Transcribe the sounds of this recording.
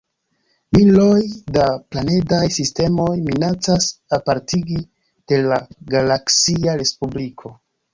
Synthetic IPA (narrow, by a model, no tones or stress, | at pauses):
milo̞jdaplane̞dajsiste̞mo̞jminat͡sasapaɾtiɡi | d̥e̞laɡalaksiaɾe̞spublikʰo̞